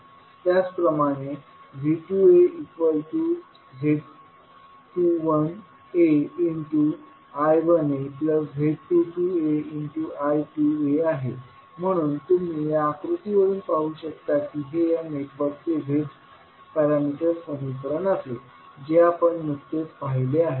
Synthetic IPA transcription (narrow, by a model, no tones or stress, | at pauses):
t̪jat͡spɾəmaɽ̃e | ʋiʈueikʋəlʈuː | d͡ʑʱe | ʈuʋən | eiɳʈu | ajʋənepləsʋʱeʈiʈueiɳʈuʔajʈueaɦe | m̤əɽ̃uːnt̪um̤iːjaːkɾut̪iʋəɾuːnpaɦuːɕəkt̪akiːɦejaneʈʋəɾk̚t͡seʋʱe | pæɾamiʈəɾpənikəɾənase | d͡ʑeapəɳmut̪ːet̪paɦileaɦe